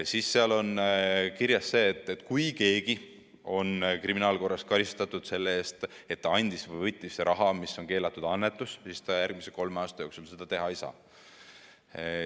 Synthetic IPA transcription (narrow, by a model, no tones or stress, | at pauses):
siːsːeɑlo̞nkiɾjɑse̞ːt̪ːˑet̪ːˑkujke̞ːɡ̥i | o̞nkriminɑːlko̞rːɑskɑɾist̪ɑt̪ːˑud̪̥se̞lːee̞ːst̪ | e̞t̪ːɑɑnʲd̪̥isvɯjvɤjt̪ʲˑːisːeɾʔɑɦɑmisːo̞nke̞ːlɑt̪ːˑud̪̥ɑnːet̪ːˑussist̪ɑjærɡ̥miseko̞lmeɑːst̪ɑjoːksulse̞d̪ɑt̪e̞ɦɑejsɑ̰ː